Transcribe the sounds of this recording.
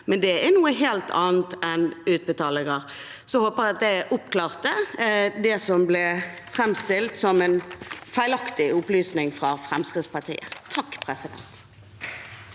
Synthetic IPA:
mɛnd̪ɛænuːəɦeːlt̪ʰɑ̰ːnt̪ɛnʉːt̪̚bət̪ɑːlɪŋəʁ | sɔhoːpəɾɑt̪̚d̪ɛʔʊpklɑːʁt̪əd̪ɛsɔmblɛfɾɛmst̪ɪlt̪sɔmɛnfæɪlɑkt̪ɪʊplyːsnɪŋfɾɑfɾɛmskʁɪt̪spɑt̪ʰḭːə̰t̪ʰɑkːpʰɾɛsɪd̪ɛ̰nt̪

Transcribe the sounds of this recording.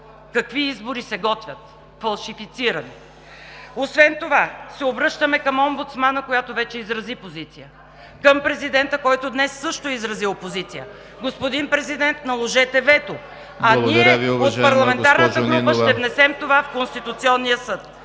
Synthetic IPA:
kɐkviizboɾisɛɡɔt̪vʲjət̪ | fɐlˠʃifit̪siɾɐni | osvɛnt̪ovasɛobɾɤʃt̪əmɛkəmɔmbʊt̪smanəkojat̪ovɛt͡ʃɛizɾɐzipozit̪sijə | kəmpɾɛzid̪ɛnt̪əkɔjt̪od̪nɛsːɤʃt̪oizɾɐziopozit̪sijə | ɡospod̪inpɾɛzid̪ɛnt̪nɐlˠoʒɛt̪ɛvɛt̪o | ɐniɛotpɐɾlˠɐmɛnt̪aɾnət̪əɡɾupəʃt̪ɛvnɛsɛmt̪ovafkonst̪it̪ut̪siɔnːijəsɤt̪

